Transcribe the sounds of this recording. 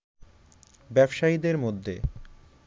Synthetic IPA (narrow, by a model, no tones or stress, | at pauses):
bɛbʃaid̪eɾmod̪ʱːḛ